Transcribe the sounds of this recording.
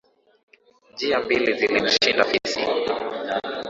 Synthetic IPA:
nd͡ʒiambilizilim̩ʃindafisḭ

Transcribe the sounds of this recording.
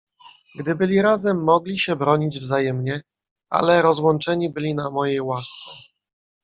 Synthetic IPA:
ɡd̪ɘbɘlʲiɾazɛmːɔɡlʲiɕɛbɾɔɲid͡ʑvzajɛmɲɛ | a̰lɛɾɔzwɔnt͡ʂɛɲibɘlʲinamɔjejwast̪sɛ

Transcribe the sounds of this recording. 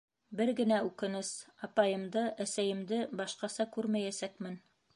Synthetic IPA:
bɘɾɡɘ̆næʉkɘ̆nɘsɑpɑjɤ̆md̪ɤʔæsæjɘ̆md̪ɘbɑʃqɑsɑkʉɾmæjæsækmɘn

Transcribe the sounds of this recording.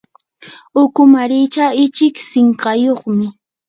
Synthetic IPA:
ʊkʊmaɾɪt͡ʃaɪt͡ʃɪksɪɴɢɑjoχmɪ

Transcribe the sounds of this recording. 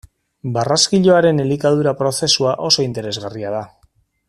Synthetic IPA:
baraskiʎo̞aɾe̞nelikaðuɾapɾo̞θe̞suaʔo̞so̞int̪e̞ɾe̞zɣariaða

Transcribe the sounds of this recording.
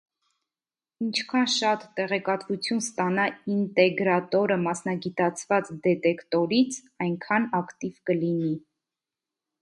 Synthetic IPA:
int͡ʃʰkʰɑnʃɑt̪ːɛʁɛkɑt̪vut͡sʰjunst̪ɑnɑint̪ɛɡɾɑt̪ɔɾəmɑsnɑɡit̪ɑt͡sʰvɑt͡sd̪ɛt̪ɛkt̪ɔɾit͡sʰ | ɑjŋkʰɑnɑkt̪ivkəlini

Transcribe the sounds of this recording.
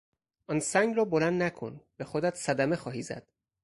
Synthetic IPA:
ʔɒnsæŋɡrɒːbolænd̪nækʰo̰nb̥exod̪æt̪ʰsæd̪æme̞xɒːɦiːzæ̰d̪̥

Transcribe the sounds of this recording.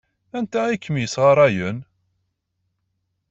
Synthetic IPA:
ænt̪æikːəmijəsʁɑɾˤæjən

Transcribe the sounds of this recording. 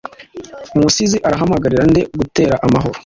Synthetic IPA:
musiziʔaɾaɦamaɡaɾiɾande̞ɡute̞ːɾaʔamaɦo̞ɾo

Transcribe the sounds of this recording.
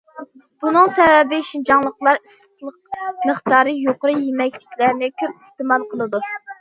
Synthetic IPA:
b̥unɨŋsɛvɛbɪʃind͡ʒɑŋlˠəqlˠɑɾis | lˠəqməχt̪ɑːɾɨjoqəɾɨjemɛkʲlɪkʲʰlæɾnɪkʲʰøp̚ist̪ɪmɑlˠqʰəlˠɨd̪u

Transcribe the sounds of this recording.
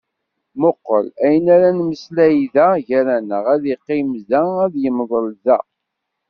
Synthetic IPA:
moqːə̰læjənæɾænməslæjiðæʝæɾænəʁæðiqːimzææðjəmðˤəlzæ̰

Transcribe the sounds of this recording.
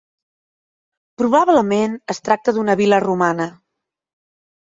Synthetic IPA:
pɾuβaβləmenəst̪ɾak̚t̪əðunəβilərumanə

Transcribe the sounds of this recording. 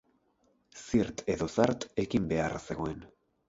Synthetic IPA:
siɾt̪e̞ðo̞saɾt̪e̞kimbe̞arse̞ɣo̞e̞n

